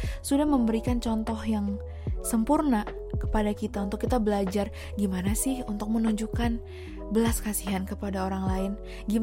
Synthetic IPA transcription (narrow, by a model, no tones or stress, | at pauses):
sudahməmbəɾikant͡ʃɔnt̪ɔhjaŋ | səmpurna | kə̥padakit̪aunt̪ʊkːit̪abəlad͡ʒar | ɡimanasɪhunt̪ʊk̚mənuɲd͡ʒukan | bəlaskasiɦankəpadaoɾaŋlaɪn | ɡi